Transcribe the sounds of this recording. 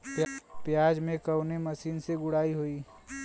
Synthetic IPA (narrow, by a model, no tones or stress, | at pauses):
pjpjaːd͡ʒmẽkəʊneməsiːnseɡʊɽaːiɦoiː